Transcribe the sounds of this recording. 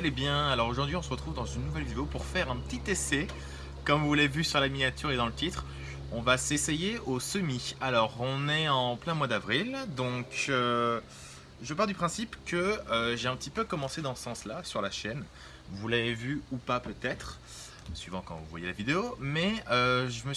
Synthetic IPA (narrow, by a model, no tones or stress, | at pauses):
alebjɛ̃alɔʁoʒuʁd̪ɥiɔ̃səʁət̪χuvd̪ɑ̃zynːuvɛlvid̪eopuʁfɛʁɛ̃pə̥t̪it̪esɛ | kɔ̃mvulavevysyʁlaminjat̪yʁed̪ɑ̃lət̪it̪χ | ɔ̃vasesejeosəmialɔʁɔ̃nɛɑ̃plɛ̃mwad̪avʁild̪ɔ̃kø | ʒəpaʁld̪ypχɛ̃sipkəøʒeɛ̃pət̪ipøkɔmɑ̃sed̪ɑ̃sə̥sɑ̃slasyʁlaʃɛn | vulavevyupapøt̪ɛt̪χ | sɥivɑ̃kɑ̰̃vṵvwa̰jelavid̪eomɛøʒəmə